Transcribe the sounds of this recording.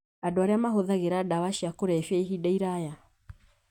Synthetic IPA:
adoaɾeamaɦoðaɣeɾadawaʃiakoɾɛfeiɦidaiɾaja

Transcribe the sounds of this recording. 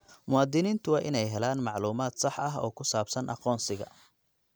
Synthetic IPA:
mʊwɑːd̪ɪniːnt̪ʰʊwɑːʔɪnɛjɦɛlaːnmɑʕluːmaːd̪sɑħɐɦɔ̰ːkʰʊsaːbsɐnʔɑ̰qɔːnsɪɣɐ̰

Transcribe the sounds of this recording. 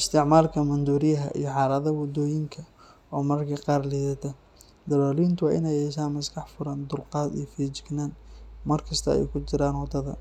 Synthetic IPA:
ɪst̪ʰɪʕmaːlkʰɐmɐnd̪uːɾɪjɐɦɐ̰ʔijɞħɑːlɐðɐwɔd̪ɔːjɪŋkʰɐ | ɔːmɐrkʰɐqɑːrliːðɐt̪ʰɐ | d̪ɐlɔːliːnt̪ʰʊwɑːʔɪnɛjɛːʃaːnmɐskɑħfʊɾɐnd̪ʊlqɑːd̪ḭjɔfiːt͡ʃɪɡnaːnmɐrkʰɐst̪ʰɐɛ̰jkʰʊt͡ʃɪɾaːnwɐd̪ɐðɐ̰

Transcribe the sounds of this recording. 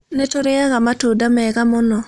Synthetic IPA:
netoɾeaɣamatudamɛɣamonɔ

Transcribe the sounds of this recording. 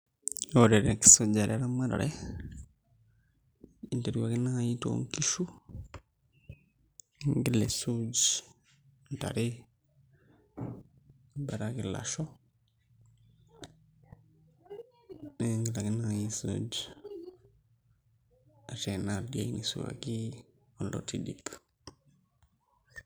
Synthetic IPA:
oɾeɾeki̥sod͡ʒaɾʔeɾamaɾa̰ɾe | inteɾiwakinaajito̰ŋkiʃu | ŋɡilesud͡ʒ | nta̰ɾe | baɾakila̰ʃo | neŋɡilaɡinaŋajisṵːd͡ʒ | aʃenaldiainʔisuwa̰ki | ulo̰tidḭp

